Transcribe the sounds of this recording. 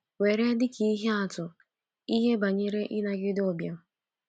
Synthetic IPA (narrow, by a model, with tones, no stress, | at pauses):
we˨ɾe˦dɪ˦ki˦i˦ɦe˦a˨tʊ˨ | i˦ɦe˦ba˨ɲe˦ɾe˦ʔɪ˦na˨ɡɪ˦dɪ˦ɔ˨bja˦